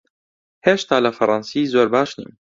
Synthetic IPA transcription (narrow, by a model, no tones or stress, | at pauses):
heːʃt̪aːlɐfɐɾˤɑnsiːzoːɾbaːʃnḭːm